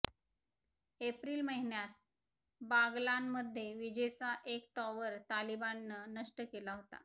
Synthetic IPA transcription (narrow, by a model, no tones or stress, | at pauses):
epɾiːlməɦinjat̪̚ | baɡlanməd̪ʱːjeʋid͡ʑejt͡saʔek̚ʈɔʋəɾt̪alibanːənəʂʈəkelaɦot̪a̰